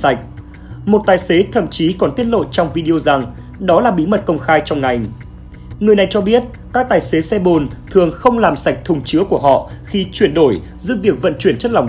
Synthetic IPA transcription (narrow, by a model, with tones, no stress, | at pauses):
a˨˩jk̟̚ | mo˨˩t̚t̪aː˨˩jse˨˦t̪ʰə̰˧˨mt͡ɕi˨˦kɔ˨˩nt̪i˦˥ət̚lo̰˧˨t͡ɕɔ˧wŋ͡mvi˧ɗi˧o˧za˨˩ŋ | ɗɔ˨˦laː˨˩ɓi˨˦mə˨˩t̚kə˧wŋ͡mxaː˧jt͡ɕɔ˧wŋ͡mŋa˨˩jŋ | ŋɨ˨əjna˨˩jt͡ɕɔ˧ɓi˦˥ət̚ | kaː˦˥k̚t̪aː˨˩jse˨˦sɛ˧ɓo˨˩nt̪ʰɨ˨˩əŋxə˧wŋ͡mlaː˨˩msa˨˩jk̟̚t̪ʰʊ˨˩ŋ͡mt͡ɕɨ˨˦əku˧˩əɦɔ̰˧˨xi˧t͡ɕwi˧˩ənɗo˧˩j | zɨ̰˧˥vi˨˩ək̚və̰˧˨nt͡ɕwi˧˩ənt͡ɕə˦˥t̚la˨˩wŋ͡m